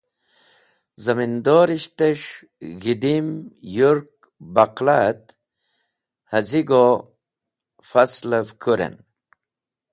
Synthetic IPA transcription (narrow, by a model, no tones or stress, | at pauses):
zɐmind̪oːɾiɕt̪eʂ | ɣid̪imjuɾk̚ | baqlat̪ | hɐziɡo | faslavkʰuɾḛn